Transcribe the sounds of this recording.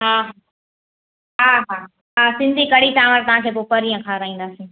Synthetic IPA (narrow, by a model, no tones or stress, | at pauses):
ɦaːɦa | ɦaːɦaː | ɦaːsɪ̃nd̪ʱikɐɽ̤itaːʋəɾt̪ɐʋ̤ãkʰeːpopəɾiə̃kʰaːɾəĩːn̆d̪aːsĩː